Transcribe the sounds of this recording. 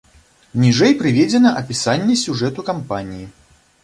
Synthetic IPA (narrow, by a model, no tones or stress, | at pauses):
nʲiʐɛjpɾɨvʲɛd͡zʲɛnɐʔɐpʲisanʲːɛsʲuʐɛt̪ukampanʲiji